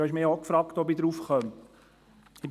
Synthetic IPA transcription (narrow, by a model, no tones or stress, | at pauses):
ɑɪʃmɪokfɾɑːkt̪ɔbidɾufχœmt | ib